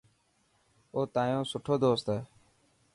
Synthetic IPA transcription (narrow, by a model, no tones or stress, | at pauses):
oːt̪ãːjõːsʊʈʰoːd̪oːst̪ɦɛː